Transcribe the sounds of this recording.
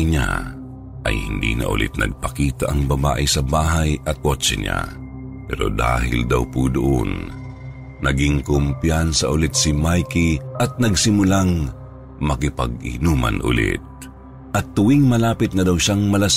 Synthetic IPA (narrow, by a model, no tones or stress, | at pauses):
ɲa̰ | ʔɐjhɪnd̪ḭnɐ̰ʔʊ̰lʔɪ̰t̪̚nɐ̰ɡ̚pɐkiːt̪aʔɐŋbɐba̰ːʔɪsɐbaːɦɐjɐt̪̚kot͡ʃɛ̰ɲa̰ | pɛ̰ːɾo̰d̪a̰ːhɪ̰ld̪awpud̪ʊʔo̰n | nɐɡɪŋkʊmpjansɐʔʊlɪt̪̚sɪmajkiʔɐt̪̚nɐɡsɪmʊlaŋ | mɐkɪpɐ̰ɡ̚ɪ̰nuːmɐ̰nʔʊ̰lɪ̰t̪̚ | ʔɐt̪ːʊwiŋmɐlaːpɪt̪̚nɐd̪ɐwʃaŋmɐlɐs